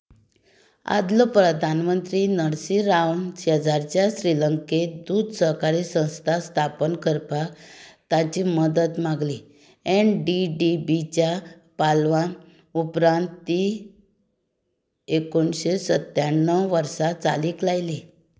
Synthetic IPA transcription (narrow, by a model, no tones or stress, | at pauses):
a̰d̪ləpɾəd̪ʱanmənt̪ɾiːnəɽsiɾawnt͡ɕʰeəd͡zaɾt͡ɕjaɕɾiləŋked̪uːd̪səkaɾisə̃w̃st̪ʰast̪ʰapənkəɾpakt̪at͡ɕiːməd̪ət̪maɡli | ɛnɖiɖibit͡ɕja | palʋan | upɾãnt̪ːi | ekoɳɕesət̪jaɳːəʋəɾsat͡sa̰liːklajli